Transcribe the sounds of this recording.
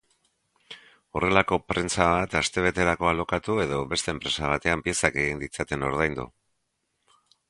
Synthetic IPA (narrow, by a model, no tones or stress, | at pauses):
o̞re̞lako̞pɾe̞nt͡saβat̪ast̪e̞β̞e̞t̪e̞ɾako̞alo̞kat̪ue̞ðo̞βe̞st̪e̞ːmpɾe̞saβ̞at̪e̞ampie̞sake̞ɣind̪it͡sat̪e̞no̞ɾð̞ajnd̪ṵ